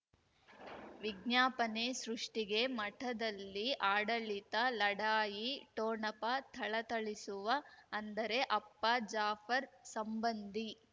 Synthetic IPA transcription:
ʋiɡ̚njaːpɐneːsɾuʂʈiɡe̞mɐʈʰɐd̪ɐlːiʔaːɽɐɭit̪ɐlɐɽaːjiʈoːɳɐpɐt̪ʰɐɭɐt̪ɐɭisuʋɐːnd̪ɐɾe̞ʔɐpːɐd͡ʒaːfʰɐɾsɐmbɐnd̪i

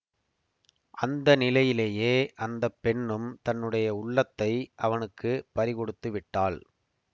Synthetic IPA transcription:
ʔɐnd̪ɐnɪlɐjɪleːjeːʔɐnd̪ɐpːɛɳːɯmt̪ɐnːɯɽɐjɐʊɭːɐt̪ːɐɪʔɐʋɐnɯkːɯpɐɾɪkɔɽɯt̪ːɯʋɪʈːaːl

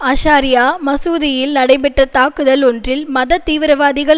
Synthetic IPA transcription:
ɐʃaːɾɪjaːmɐsuːðɪjɪlnɐɽɐɪpɛʈːrɐt̪aːkɯðɐlɔndrɪlmɐðɐt̪ːiːʋɪɾɐʋaːðɪɣɐɭ

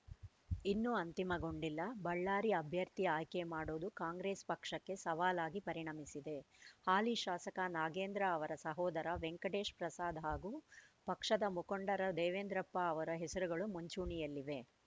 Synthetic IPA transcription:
inːuɐnt̪imɐɡo̞ɳɖilːɐbɐɭːaːɾiɐbʱjɐɾt̪iaːjkemaːɽoːd̪ukaːŋɡɾeːspɐkʂɐkːe̞sɐʋaːlaːɡipɐɾiɳɐmisid̪e̞haːliʃaːsɐkanaːɡeːnd̪ɾɐːʋɐɾɐsɐɦɔːd̪ɐɾɐʋeŋkɐɖeːʃpɾɐsaːd̪ʱɐɦaːɡuːpɐkʂɐd̪ɐmukoɳɖɐɾɐd̪ɛːʋeːnd̪ɾɐpːaːʋɐɾɐɦɛsɐɾuɡɐɭumuɲt͡ʃuːɳijɐlːiʋe̞

